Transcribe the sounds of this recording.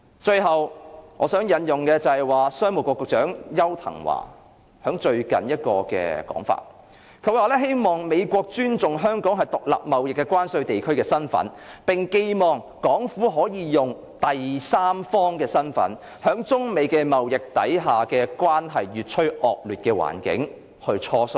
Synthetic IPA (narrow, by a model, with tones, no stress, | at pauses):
t͡ʃɵ˧ɥɦɐ˨wŋɔː˨˧sœː˨˥ŋjɐ˨˧njʊ˨ŋkɛː˧t͡sɐ˨˧hɐ˨jwaː˨˩sœː˥ŋmʊ˨˩kɔː˧kːʊ˨k̚t͡ʃœː˨˥ŋjɐ˥wt̪ʰɐ̰˨˩ŋwa̰ː˨˩ | hœː˨˥ŋt͡ʃɵ˧ɥkɐ̰˨˩njɐ˥t̚kɔ̰ː˧kɛ̰ː˧kɔ̰ː˨˥ŋfa̰ː˧t̚ | kʰɵ˨˧˥waː˨lɛː˥ɦe˥jmɔː˨ŋme˨˧jkʷɔː˧k̚t͡ʃyː˥nt͡sʊ˨ŋɦœː˥ŋkɔː˨˥ŋɦɐ˨˩jt̪ʊ˨k̚la̰ː˨p̚mɐ˨wjɪ˨kːɛː˧kwaː˥nsɵ˧ɥt̪e˨jkʰɵ˥ɥkɛː˧sɐ˥nfɐ̰˨˥npɪ˨˩ŋke˧jmɔː˨ŋ | kɔː˨˥ŋfuː˨˥ɦɔː˨˥jiː˨˧jʊ˨ŋ | t̪ɐ˨jsaː˥mfɔː˥ŋkɛː˧sɐ˥nfɐ̰˨˥n | hœː˨˥ŋt͡sʊ˥ŋme˨˧jkɛː˧mɐ˨wjɪ˨k̚t̪ɐ˨˥jɦaː˨kɛː˧kwʷaː˥nɦɐ˨jɥyː˨t̚t͡ʃʰɵ˥ɥʔɔː˨k̚lyː˨t̚kɛː˧wa̰ː˨˩nkɪ̰˨˥ŋ | hɵ˧ɥt͡ʃʰɔː˧sɵ˧